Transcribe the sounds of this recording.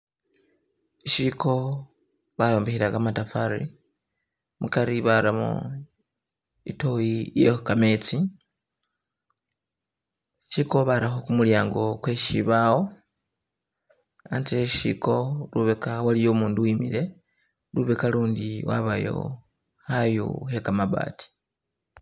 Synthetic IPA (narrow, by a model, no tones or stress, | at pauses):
iʃikʰo̞ | βajo̞ːmbexiɾakamatafaɾḭ | mukaɾiβaɾamo̰ | itojijḛkamet͡si | ʃiko̞βaɾaxokumuljaːŋɡo̞kweʃiβawo | a̰nt͡seʃḭko̞luβekawalijoːmuːnduwimiɾe̞ | luβekaluːndiwa̰βajo̞̰ | hajṵhekamaβa̰ːti̥